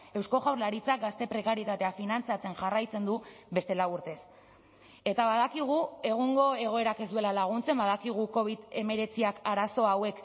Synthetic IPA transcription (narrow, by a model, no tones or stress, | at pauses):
e̞wsko̞ɣawɾlaɾit͡sak̚ɡast̪e̞pɾe̞kaɾjet̪at̪e̞afinant͡siat͡se̞nʝarajt͡se̞nd̪uβe̞st̪e̞lawuɾt̪e̞s | e̞t̪aβaðakiɣ̞ue̞ɣ̞uŋɡo̞e̞ɣ̞o̞e̞ɾake̞zd̪ue̞lalaɣ̞unt͡se̞mbaðakiɣ̞uko̞β̞iðe̞me̞ɾe̞t͡siakaɾaso̞awe̞k